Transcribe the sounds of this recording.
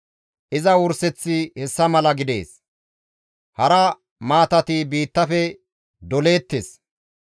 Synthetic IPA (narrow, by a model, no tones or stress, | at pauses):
ʔɪzɐwʊɾsɛt͡sːɪhɛsːɐmɐlɐɡɪd̪e̞̰ːs | hɐɾɐ | maːt̪ɐt̪iːbiːt̪ːɐfɛ | d̪ɔle̞ːt̪ːeːs